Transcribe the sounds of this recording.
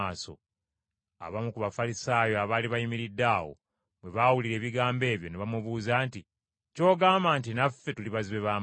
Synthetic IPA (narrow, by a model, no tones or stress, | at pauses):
aːso̞̰ | a̰βamukuβafalisaːjo̞aβaːliβajimiɾidːaːwo̞̰ | βwe̞βawuliɾe̞ːβiɡaːmbe̞ːβjo̞neβamuβuːzaːnti | co̞ːɡaːmbaːntinafːe̞tuliβaziβe̞βaːm